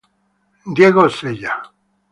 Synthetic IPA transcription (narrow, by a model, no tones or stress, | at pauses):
d̪jeɣoseja